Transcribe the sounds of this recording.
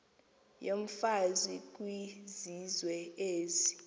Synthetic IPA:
joɱfazwik̬ʼwizizwɛeːzi

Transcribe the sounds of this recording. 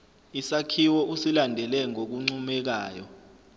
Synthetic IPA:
isakʰiwɔʔusilandʱɛlɛŋok̬uŋ͡ǀumɛk̬aːjɔ̰

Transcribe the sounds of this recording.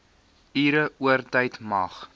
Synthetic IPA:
iːɾəʔuərtəjtmɐχ

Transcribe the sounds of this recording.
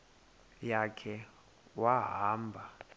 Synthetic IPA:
jakʰɛ | waɦaːmbʱa

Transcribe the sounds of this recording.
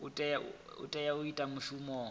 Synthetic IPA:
ʊtʼɛjaʊ̰tʼɛjaʊitʼamʊʃumɔː

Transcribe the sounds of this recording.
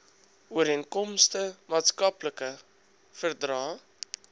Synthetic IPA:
uəɾiənkɔmstəmɑːtskɐpləkə | fərdrɑː

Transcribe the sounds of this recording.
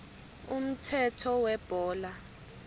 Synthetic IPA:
um̩tʰɛtʰɔwɛb̥ʱɔːla

